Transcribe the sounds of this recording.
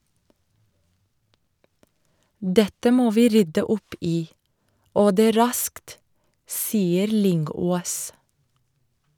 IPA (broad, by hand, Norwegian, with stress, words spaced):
ˈdɛtə ˈmoː ˈʋiː ˈɾʏdə ˈʊp ˈiː ˈoː ˈdeː ˈɾɑskt ˈsiːəɾ ˈlʏŋˌɡoːs